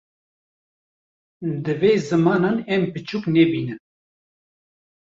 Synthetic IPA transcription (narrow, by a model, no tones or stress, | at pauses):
d̪ɨveːzɨmɑːnɑːnɛmpɨt͡ʃʰuːknɛbiːnɨn